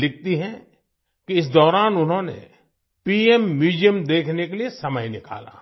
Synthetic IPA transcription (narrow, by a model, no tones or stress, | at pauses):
lɪk̚t̪iɦɛ̃ | kiɪs̬d̪ɔːɾaːnʊnɦõnḛ | piːemːiːd͡ʒijəmd̪eːkʰnekeliesɐməjnɪka̰ːla̰ː